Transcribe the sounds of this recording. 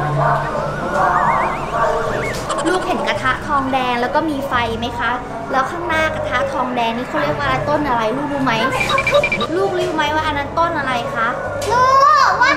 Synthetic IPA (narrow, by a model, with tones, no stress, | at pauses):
luː˥˩k̚he˩˦nka˧t̪ʰa˦˥ʔt̪ʰɔː˧ŋdɛː˧ŋlɛː˦˥wkɔː˥˩miː˧fa˧jma˦˥jkʰa˦˥ʔ | lɛː˦˥wkʰaː˥˩ŋnaː˥˩ka˧t̪ʰa˦˥t̪ʰɔː˧ŋdɛː˧ŋniː˥˩a˧˥˩ɾi˥˩ək̚waː˧ɾa˧nt̪o˥˩nʔa˧ɾa˧jluː˥˩k̚juː˧˩ma˦˥j | luː˥˩k̚luː˦˧˦ju˧ma˦˥jwaː˥˩ʔa˧na˧˥nt̪o˥˩nʔa˧ɾa˧jkʰa˦˥ʔ | loː˧˥˩